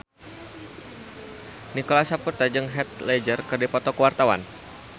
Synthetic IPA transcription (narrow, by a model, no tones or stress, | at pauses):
nikolasapurt̪ad͡ʒɨŋɦɛt̪̚lɛd͡ʒərkɨrdipɔt̪ɔkəwart̪awa̰n